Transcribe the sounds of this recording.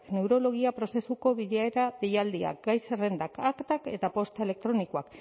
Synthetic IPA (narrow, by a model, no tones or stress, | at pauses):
kne̞wɾo̞lo̞ɣ̞iapɾo̞se̞suko̞βiðeaeɾabejald̪ia̰k̚ɡajsere̞nd̪akakt̪ake̞t̪apo̞st̪e̞le̞k̚t̪ɾo̞nikoak